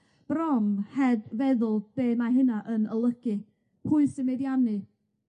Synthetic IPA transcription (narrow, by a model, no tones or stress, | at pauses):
b̥rɔmhɛdvɛðʊlˠb̥eːmaɦɨnaʔənəlˠəɡɨ | huɨsɪmɛdjanɨ